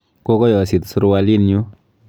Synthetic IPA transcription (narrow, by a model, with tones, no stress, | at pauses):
ko˦kɔ˦jɔ˨si˨tsu˦ɾwa˦li˦nɲu˦